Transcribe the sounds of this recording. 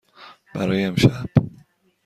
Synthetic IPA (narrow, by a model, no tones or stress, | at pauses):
b̥æ̰ɾɒːjeemʃæb̥